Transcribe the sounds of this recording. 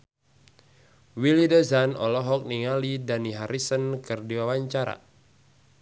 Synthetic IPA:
wilidəzanɔ̰lɔɦɔk̚niŋalidaniɦaɾʔisənkɨrdiwawaɲt͡ʃaɾa̰

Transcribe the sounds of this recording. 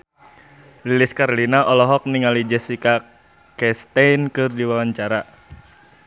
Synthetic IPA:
lilɪskaɾolinaʔɔlɔɦɔk̚niŋalid͡ʒɛsika | kɛst̪ajnkɨrdiwawaɲt͡ʃaɾa

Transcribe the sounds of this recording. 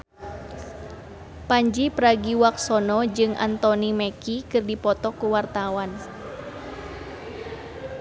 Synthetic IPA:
paɲd͡ʒipɾaɡiwak̚sɔnɔd͡ʒɨŋʔa̰nt̪ɔnimɛkikɨrdipɔt̪ɔkuwart̪awan

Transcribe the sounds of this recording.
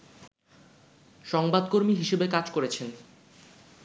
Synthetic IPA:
ʃɔŋbad̪koɾmiɦiʃebekad͡ʑkoɾet͡ɕʰen

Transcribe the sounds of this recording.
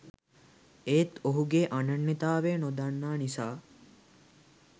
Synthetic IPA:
eːt̪oɦuɡeʔanɐnːit̪aːʋeːnod̪anːaːnisaː

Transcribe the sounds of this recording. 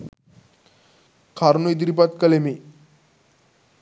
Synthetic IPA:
kʰaɾnujd̪ɾipat̪kəlemi

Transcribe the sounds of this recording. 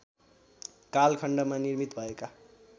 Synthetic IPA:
kalkʰʌɳɖʌmanirmit̪bʱʌeka

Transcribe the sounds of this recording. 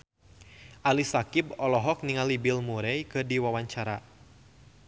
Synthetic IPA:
ʔalisakibɔlɔɦɔk̚niŋalibilmuɾɛjkɨrdiwawaɲt͡ʃaɾa

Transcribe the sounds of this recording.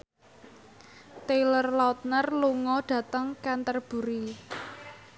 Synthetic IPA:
t̪elərlɔt̪̚nərluŋɔɖ̥ä̤t̪əŋkant̪ərb̥ṳɾi

